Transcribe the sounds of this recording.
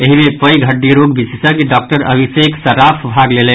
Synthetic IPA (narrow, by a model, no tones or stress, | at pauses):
eɦimepəjɡʱəɖːiɾoɡbissəkiɖɔk̚ʈəɾə̰bʱiseksəɾapʰbʱaɡlelɛn